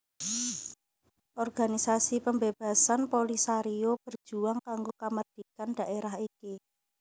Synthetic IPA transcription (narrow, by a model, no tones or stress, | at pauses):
ʔɔrɡ̥anisasipəmbeb̥a̤sanpolisaɾiob̥ər̥d͡ʒ̥uaŋkaŋɡokamərd̪̥ikand̥a̤ʔeɾaɦiki